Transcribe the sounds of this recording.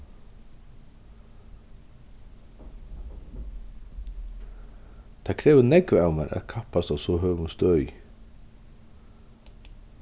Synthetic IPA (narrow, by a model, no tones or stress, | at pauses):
t̪ʰakʰɾɛːvʏnɛkvawmɛɾʔa̰ðkʰahpast̪awsɔɦœːvunst̪œj